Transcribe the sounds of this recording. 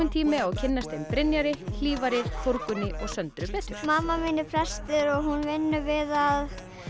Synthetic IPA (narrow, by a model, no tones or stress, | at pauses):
ʏnt̪ʰiːmɪɔɣcʰɪnːast̪ejnpɾɪnjaɾɪl̥iːvaɾɪɾ̥foɾkʏnːɪʔɔɣsœnt̪ɾʏpɛːt̪ʏ̥ɾ̥maːmːaminɪfʰɾɛst̪ɪɾɔɣɦunvɪnːʏvɪðað